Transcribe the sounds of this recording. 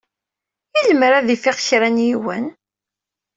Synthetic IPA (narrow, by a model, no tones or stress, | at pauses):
jiləmɾæðifiʁçɾænjiwə̰n